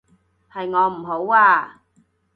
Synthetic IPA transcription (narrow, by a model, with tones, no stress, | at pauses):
hɐ˨jŋɔː˨˧m̩˨˩ɦo˨˥waː˧